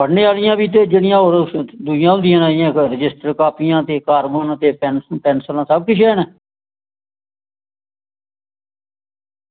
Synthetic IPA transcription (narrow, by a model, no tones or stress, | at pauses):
bəɽɳːeːaːlɪjãːbiːt̪̬eːd͡ʒeɽɪjãːoːɾd̪ujãːʊ̃nd̪ɪjãːnaːɪjãːkɾɪd͡ʒɪsʈəɾkaːpiːjãːt̪eːkaːɾbənt̪eːpɛːnpɛːnsəlãːsəb̚kɪt͡ʃʰɛːnɛ